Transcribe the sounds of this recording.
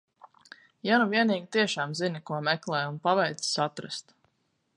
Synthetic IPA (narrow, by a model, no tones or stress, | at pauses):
januvʲiɛniːɡʲit̪iɛʃaːmzinikuɔmɛklˠɛːjunpavɛjt̪ssat̪ɾa̰st̪